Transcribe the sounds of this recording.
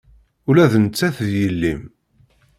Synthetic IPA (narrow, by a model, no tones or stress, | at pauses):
ʊlæðnət͡sːæθðjəlːim